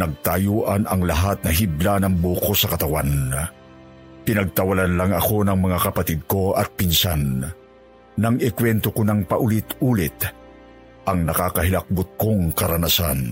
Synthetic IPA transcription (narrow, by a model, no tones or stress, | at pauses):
nɐɡ̚t̪ajuːʔɐnɐŋlɐɦat̪̚nɐɦiblanɐŋbokosɐkɐt̪ɐwan | pɪnɐɡ̚t̪ɐwɐlanlaŋɐko̞nɐŋmɐŋakɐpɐt̪id̪̚ko̞ɐt̪̚pɪnsan | ɐŋɪkwɛnt̪okonɐŋpɐʔʊlɪt̪uːlɪt̪ | ʔɐŋnɐkaːkɐɦɪlɐk̚bʊt̪̚koŋkɐɾɐnasa̰n